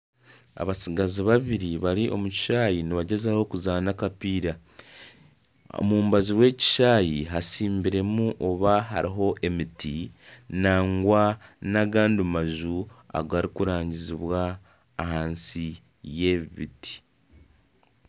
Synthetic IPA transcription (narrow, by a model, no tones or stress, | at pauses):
a̰βasiɡaziβaβiɾiβaɾiʔomuci̥ʃaːjiniβaɟe̞zaho̞kuzaːnakapiːɾa | o̰muːmbaziwe̞ːci̥ʃaːjiɦasiːmbiɾe̞muʔoβaɦa̰ɾiɦo̞ʔe̞mitʰinaːŋɡwanaɡaːndumaʒua̰ɡaːɾikuɾaːɲɟiziβwaː | ɦaːnsi | je̞βiβḭti̥